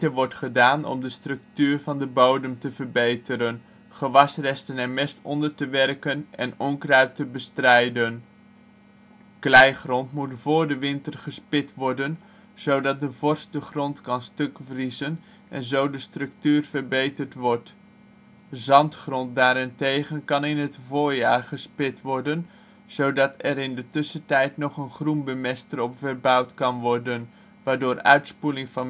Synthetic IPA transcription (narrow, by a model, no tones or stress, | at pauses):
əʋɔɹtχədaːnɔ̰mdəstrɵk̚tyːrvɑndəbowdəmtəvərbejtəɾən | χəʋɑsrɛstənɛɹmɛstɔ̰ndəɹtəʋɛrkənʔɛ̰nɔŋkraɥtəbəstrɛjdən | klɛjχrɔntmutvʊːɹdəʋɪntərχəspɪtʋɔɹdən | z̥owdɑt̚dəvɔɹstdəχrɔntkɑnstɵkvrizən | ʔɛ̰nzowdəstrɵk̚tyːrvərbejtərtʋɔrt | zɑntχrɔnt̚daːɾɪntejχənkɑnɪnɦətvʊːɹjaːrχəspɪtʋɔɹdən | z̥owdɑtʰɛɾɪndətʏsətɛjtnɔχənχrunbəmɛstərɔpfərbɑwtkɑnʋɔɹdən | ʋaːɹdʊːrœ̰ɥtspulɪŋfɑn